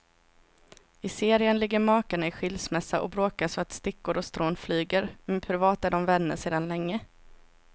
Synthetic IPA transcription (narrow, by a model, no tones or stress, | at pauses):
ɪseːɾɪənlɪɡːəɾmɑːkaɳaɪɧɪlsmɛsːaʔɔ̰bɾoːkaʂɔat̪st̪ɪkːʊɾɔst̪ɾoːnflyːɡəɾmɛnpʰɾɪvɑːt̪æɖɔmvɛnːəseːd̪anlɛŋːə